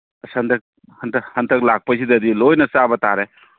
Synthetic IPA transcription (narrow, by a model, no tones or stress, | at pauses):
ɐsɐndɐk̚ | hɐntʰhɐntʰɐk̚lak̚pɐsidɐdilojnɐsabɐtaɾe